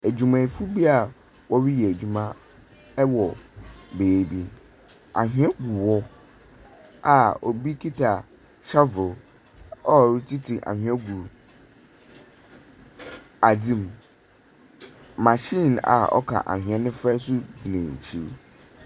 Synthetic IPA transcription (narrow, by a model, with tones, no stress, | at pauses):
æ˨d͡ʑᶣu˨mã˨fu˦bi˦a˨ | wɔ˦wi˦jɛ˨æ˨d͡ʑᶣu˨mã˦ | wɔ˨beː˨bi˦ | a̰˨ɦĩ˦ɛ˦ɡu˨wɔ˦ | a˨o˨bi˦kʰi˦tʰa˨ | ɕa˦vʊ˨ | ɔ˦˨ɾi˦tʰi˦tʰi˨ʔa̰˨hᶣɛ̃˦ɡu˨ | a˨dĩ˦m | ã˨ɕĩ˦˨na̰˨ɔ̰˦kʰa̰˨ʔa̰˨hɪ̃˨ɛ̃˦nɪ̃˦fɾɛ˦sʊ˦d͡ʑi˨nɛ̃˨t͡ɕʰi˦˨ɾ